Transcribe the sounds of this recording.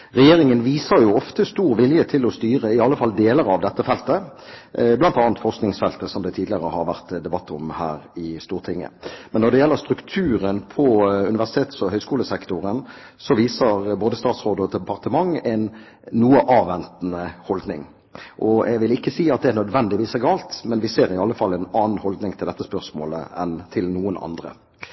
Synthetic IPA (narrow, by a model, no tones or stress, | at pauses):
ʁɛjeːɾɪŋənʋiːsəɾjʊɔft̪əst̪uːɾʋɪljət̪ʰɪlɔst̪yːɾəɪɑlːəfɑld̪eːləɾɑʋd̪ɛt̪ːəfɛlt̪ə | blɑnt̪ɑːnt̪fɔʁsknɪŋsfɛlt̪əsɔmd̪ɛt̪ʰiːd̪lɪəʁəhɑɾʋæʁt̪d̪ɛbɑt̪ːɔ̰mhæ̰ːɾɪst̪uːʁt̪ʰɪŋːə̰mɛnːɔʁd̪ɛjɛlːəʁst̪ɾʉkt̪ʰʉːɾənpʰɔʉnɪʋæʁsɪ̥t̪ʰeːt̪sɔɦœʏskuːləsɛkt̪ʊɾən | sɔʋiːsəɾboːd̪əst̪ɑːt̪sʁoːd̪əɔd̪ɛpɑʁt̪əmɑŋɛɪn | nuːəʔɑːʋɛnt̪n̩əhɔld̪nɪŋ | ʔɔɛ̰ɡʋɪlɪkːəsiːɑt̪̚d̪ɛænœd̪ʋɛnd̪ɪʋiːsɛɡɑːlt̪mɛnʋɪseːɾɪɑlːəfɑlːɛɪnɑːn̩hɔld̪nɪŋt̪ʰɪld̪ɛt̪ːəspœʁsmoːlə̰ɛ̰nt̪ʰɪlnuːənɑ̰nd̪ʁə̰